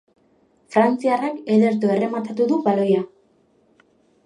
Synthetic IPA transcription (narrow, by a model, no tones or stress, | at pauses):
fɾant͡siarakeðe̞ɾt̪̬oe̞re̞mat̪at̪uðuβalo̞ja